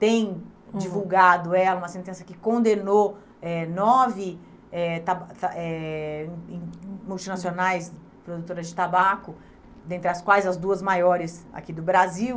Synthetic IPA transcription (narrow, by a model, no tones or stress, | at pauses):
t̪ẽj̃d͡ʒivuwɡad̪ʊɛlɐũmɐsẽnt̪ẽsɐkɪkõnd̪eno | ɛnɔvɪ | ɛt̪ab̪aɛ̃ | muwt͡ʃinasionajs | pɾod̪ut̪oɾɐzd͡ʒɪt̪abakʊ | d̪ẽnt̪ɾɪɐskwajzɐzd̪uɐzmajɔɾɪsa̰kid̪ʊbɾaziw